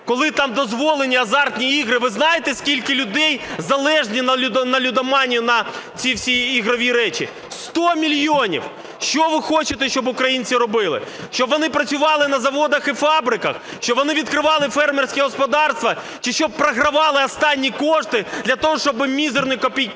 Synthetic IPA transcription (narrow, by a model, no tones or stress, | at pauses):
kɔlˠɪt̪ɑmd̪ɔzʋɔlˠenʲiɐzɑrt̪nʲiiɦɾɪʋɪznɑjet̪ɛskʲilʲkɪlʲʊd̪ɛjzɐlˠɛʒnʲinɐlʲnɐlʲʊd̪ɐmɑnʲʊnɐt͡sʲiwsʲiiɦɾɔʋʲiɾɛt͡ʃḭ | st̪ɔmʲilʲjɔnʲḭw | ʃt͡ʃɔʋɪxɔt͡ʃɪt̪ɛʃt͡ʃɔbʊkɾɐjinʲt͡sʲɪɾɔbɪlˠɪ̰ʃt͡ʃɔbʋɔnɪpɾɐt͡sʲʊʋɑlˠɪnɐzɐʋɔd̪ɐxifɑbɾɪkɐx | ʃt͡ʃɔbʋɔnɪʋʲid̪kɾɪʋɑlˠɪfɛrmersʲkʲɛɦɔspɔd̪ɑrst̪ʋɐ | t͡ʃɪʃt͡ʃɔb̚pɾɐɦɾɐʋɑlˠɪɐst̪ɑnʲːikɔʂt̪ɪd̪lʲɐt̪ɔɦɔʃt͡ʃɔbɪmʲizɛrnɪjkɔpʲij